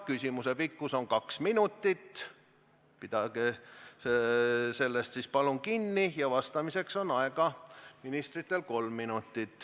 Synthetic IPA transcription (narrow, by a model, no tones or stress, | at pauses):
kysʲimusepikːuso̞ŋkɑksminut̪ːit̪ː | pid̪̥ɑɡeese̞lːest̪sispɑlunkinːijɑvɑst̪ɑmise̞kso̞nɑeɡ̥ɑminist̪rit̪ːˑe̞lko̞lmːinut̪ːˑit̪ːˑ